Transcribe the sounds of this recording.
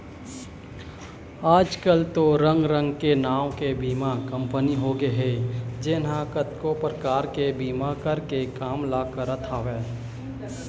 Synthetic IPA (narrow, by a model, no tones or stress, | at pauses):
aːd͡ʒkəlt̪oɾə̃ŋɡɾə̃ŋɡkenaːwkebiːmakə̃mpəniɦoːɡeɦed͡ʒɪnɦãkət̪kopɾəkaːɾkebiːmakəɾkekaːmlaːkəɾət̪ʰaːʋɛː